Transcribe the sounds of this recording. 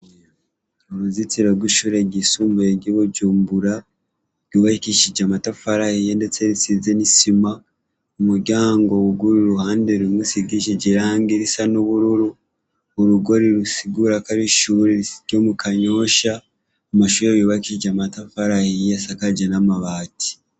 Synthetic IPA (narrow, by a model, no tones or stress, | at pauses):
oɾuzit͡siɾoɡwiʃuɾeɟisuːmbujeɟiβoɟuːmbuɾa | ɡwiβaikiʃiɟamatafaɾahijendet͡seɾisizenisima | omuɾɟaːŋɡo̞βuɡuɾuɾuhaːndeɾimusiɡiʃiɟiɾaːŋɡiɾisanoβuɾuɾu | oɾuɡo̞ɾiɾusiɡuɾakaɾiʃuɾeiɟomukaɲo̞ʃaː | maʃuɾeβuβaikiʃiɟamatafaɾahijesakaɟanamaβaːti̥